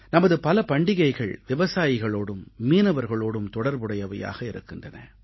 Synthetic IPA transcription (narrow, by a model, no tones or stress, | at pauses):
nɐmɐðɯpɐlɐpɐɳɖɪɣɐɪɣɐɭʋɪʋɐsaːjɪɣɐɭoːɽɯmːiːnɐʋɐɾɣɐɭoːɽɯmt̪ɔɽɐɾbɯɽɐjɐʋɐja̰ːɣɐɪɾɯ̰kːɪndrɐnɐ̰